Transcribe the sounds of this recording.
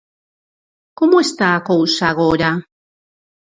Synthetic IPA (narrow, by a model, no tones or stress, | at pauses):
komoest̪aːkowsaɣ̞oɾa